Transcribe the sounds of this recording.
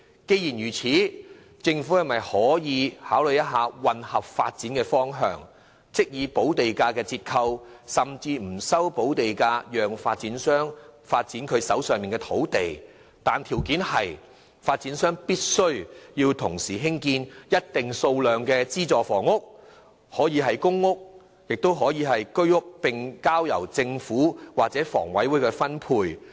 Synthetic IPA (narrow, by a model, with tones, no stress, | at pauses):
ke˧jiː˨˩njyː˨˩t͡sʰiː˨˥ | t͡sɪ˧ŋfuː˨˥hɐ˨˩mɐ˨jhɔː˨˥jiː˨˧haː˨˥wlɵ˨˧jɐ˥t̚ɦaː˨˧wɐ˨nhɐ˨p̚fa̰ː˧t̚t͡siː˨˥nkɛː˧fɔː˥ŋɦœ̰ː˨˧ŋ | t͡sɪ˥k̚jiː˨˧po˨˥wt̪e˨jkaː˧kɛː˧t͡siː˧t̚kʰɐ˧wsɐ˨˩mt͡siː˧m̩˨˩sɐ˥wpo˨˥wt̪e˨jkaː˧jœː˨ŋfaː˧t̚t͡siː˨˥nsœː˥ŋfaː˧t̚t͡siː˨˥nkʰɵ˨˧ɥsɐ̰˨˥wsœː˨ŋmiː˨˩nkɛ˧t̪ʰo˨˥wt̪e˨j | t̪aː˨nt̪ʰiː˨˩wkiː˨˥nhɐ˨j | faː˧t̚t͡siː˨˥nsœː˥ŋpiː˥t̚sɵ˥ɥjiː˧wt̪ʰʊ˨˩ŋsiː˨˩ɦɪ˥ŋkiː˧njɐ˥t̚t̪ɪ˨ŋso˧wlœː˨ŋkɛː˧t͡siː˥t͡sɔː˨fɔː˨˩ŋʊ˥k̚ | hɔː˨˥jiː˨˧ɦɐ˨jkʊ˥ŋːʊ˥k̚ | jɪ˨k̚t̪o˥wɦɔː˨˥jiː˨˧ɦɐ˨jkɵ˥ɥʊ˥k̚pɪ˨ŋkaː˥wjɐ̰˨˩wt͡sɪ˧ŋfuː˨˥waː˨k̚t͡sɛː˨˥fɔ̰ː˨˩ŋwɐ˨˥jwu˨˥jkɛ˧fɐ˥npʰuː˧j